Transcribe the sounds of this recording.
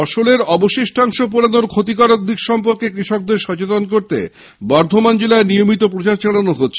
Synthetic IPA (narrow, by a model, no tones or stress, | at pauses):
ɔʃoleɾɔboʃeʃʈʰaŋʃop̬uɾanoɾkʰot̪ikaɾok̚d̪ikʃɔmpoɾkekɾiʃok̚d̪eɾʃɔt͡ɕet̪onkoɾt̪ḛ | bɔɾd̪ʱomand͡ʑelaenijomit̪opɾot͡ɕaɾt͡ɕaɽanoɦotːɕʰ